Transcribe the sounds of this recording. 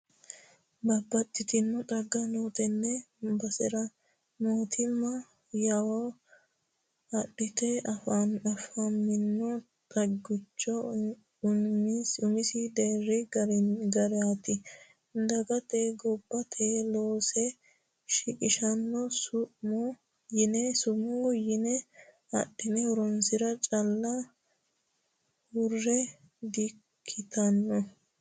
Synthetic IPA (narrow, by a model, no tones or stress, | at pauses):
bɐbːɐt̪ʼːɪt̪ɪnːɔt̪ʼɐɡːɐnot̪ɛnːɛbɐsɪɾɐ | moːt̪ʰɪmːɐ | jɐwɔ | ɐɗɪt̪ɛʔɐfanɐfɐmːɪnːɔ | t̪ʼɐɡʊt͡ʃːɔ | ʊnmisʊmɪsɪd̪eːrːɪɡɐɾɡɐɾɛat̪ɪ | d̪ɐɡɐt̪eɡɔbːɐt̪ʰeloːsɛ | ʃɪkʼɪʃɐnːɔsʊ | jɪnɛsʊmujɪnɛ | ɐ̰ɗːɪnɛɔɾɔnsɪɾɐt͡ʃʼɐlːɐ | wʊrːɛ | d̪ɪkʰːɪt̪ɐnːɔ